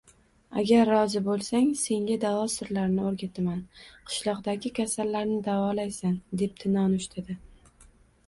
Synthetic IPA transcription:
a̰ɡʲaɾːɒzɪbolˠsaŋse̞ŋɡʲad̪avɒsɪɾlaɾnɪoɾɡʲat̪ʰamanqʰɨ̥ʃlˠɒqd̪aɡʲɪkʲʰasalːaɾnɪd̪avɒlajsand̪e̞p̚t̪ʰɪnɒnʊʃt̪ʰad̪ɪ

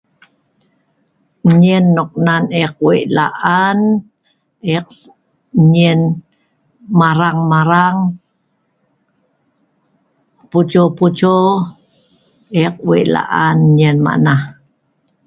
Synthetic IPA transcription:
ɲinːoq̚naneq̚wḛʔla̰ʔan | eq | ɲin | maɾaŋmaɾaŋ | put͡ʃoput͡ʃo | ʔeq̚wḛʔla̰ʔanɲinma̰ʔna

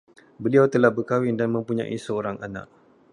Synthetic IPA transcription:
bəliawt̪əlahbərkawɪndanmə̃mpuɲã̰ʔḭsəoɾaŋʔana̰ʔ̚

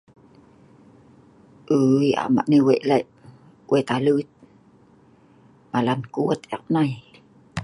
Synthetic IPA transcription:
ʔəja̰ma̰ʔniweʔlaʔ | wʔet̪alət̪̚ | malankuət̪aq̚naj

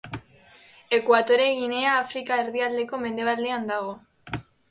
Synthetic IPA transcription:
e̞kwat̪o̞ɾe̞ɣine̞aːfɾikaeɾðiald̪e̞ko̞me̞nd̪e̞βald̪e̞and̪aɣ̞o̞

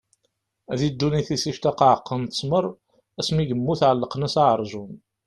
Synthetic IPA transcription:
æðid̪ːuniθisiʃt̪æqɑʕəqːənt̪ə̥sməɾˤ | æsmiʝəmːuθʕəlːəqnæsaʕəɾˤʒun

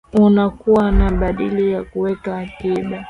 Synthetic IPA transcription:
unakuwanaɓaɗilijakuwɛkaːkiɓa

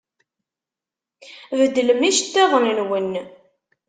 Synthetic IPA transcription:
vəd̪ːələmiʃt̪ːæðˤənənwən

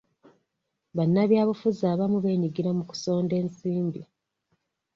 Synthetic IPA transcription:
βanːaβjaːβufuzaːβamuβe̞ːɲiɡiɾamuku̥so̞ːnde̞ːnsiːmbi

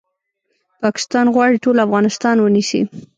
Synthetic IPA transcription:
pɑkɪ̥st̪ɑnɣwɑɽiʈolafɣɑnɪst̪ɑnwənisḭ

